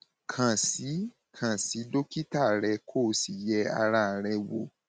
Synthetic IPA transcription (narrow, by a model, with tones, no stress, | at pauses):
kʰã˨si˨˦ | kʰã˨si˨˦do˦ki˦ta˦˨ɾɛ˧kʰoː˦˨˦si˨jɛ˧a̰˧ɾa˧˦˨ɾɛ˧wo˧˨